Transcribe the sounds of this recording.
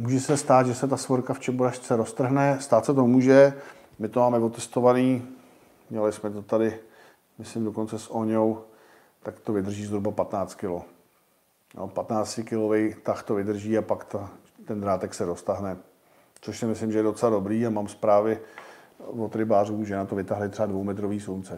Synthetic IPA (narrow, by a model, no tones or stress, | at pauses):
muːʒɛsɛst̪aːd̪ʒɛsɛt̪asvoɾkaft͡ʃɛboɾaʃt͡sɛɾo̞st̪r̩ɦnɛst̪aːt̪sɛt̪̬o̞muːʒɛ | mɪt̪omaːmɛvot̪ɛst̪o̞vaniː | mɲɛlɪsmɛt̪o̞t̪adɪ | mɪslɪmdoko̞nt͡sɛsʔo̞ɲow | t̪akt̪o̞vɪd̪r̩ʒiːzɦɾubapat̪naːt͡st̪kɪlo | jo̰pat̪naːt͡scɪkɪlo̞vɛjt̪axt̪o̞vɪd̪r̩ʒiːapakt̪a | t̪ɛnd̪ɾaːt̪ɛksɛɾo̞st̪aɦnɛ | t͡soʃsɪmɪslɪmʒɛjɛdo̞t͡sɛlado̞bɾiːamaːmspɾaːvɪ | vot̪ɾɪbaːruːʒɛnat̪ovɪt̪aɦlɪt̪ɛvadvo̞wmɛt̪ɾoviːsuwnt͡sɛ